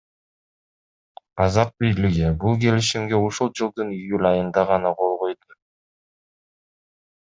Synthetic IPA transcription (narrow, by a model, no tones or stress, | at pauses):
ɑzɑq̚bijliɡibulˠke̞liʃimɡe̞uʃulˠd͡ʒɯlˠd̪ɯnijulʲɑjɯnd̪ɑʁɑnɑqʰo̞lˠʁo̞jd̪u